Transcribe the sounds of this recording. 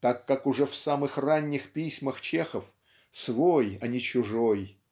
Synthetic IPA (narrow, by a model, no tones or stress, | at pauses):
t̪akːakʊʐɛfsamɨxranʲːɪxpʲisʲməxt͡ɕe̞xəf | svojɐnʲɪt͡ɕʊʐoj